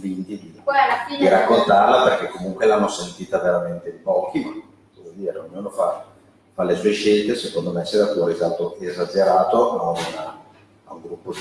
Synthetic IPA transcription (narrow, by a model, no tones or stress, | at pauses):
vint̪id̪id̪iɾakːont̪arlaperk̟ekːomuŋkwelanːosent̪iːt̪aveɾament̪eipɔːkima | d̪ovɔjd̪iːɾeoɲːuːnofa | falːesueʃelt̪esekond̪omesed̪ak̪wɔːɾizalt̪oʔezad͡ʒeɾaːt̪oaun | auŋɡɾupːo